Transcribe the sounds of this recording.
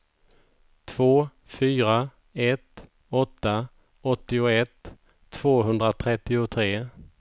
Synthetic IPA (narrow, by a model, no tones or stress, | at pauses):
t̪ʰv̥oː | fyːɾa | ɛt̪ | ɔt̪ːa | ɔt̪ːɪʊɛt̪ʰː | v̥oːɦɵnd̪ɾat̪ʰɾɛt̪ːɪʊt̪ʰɾeː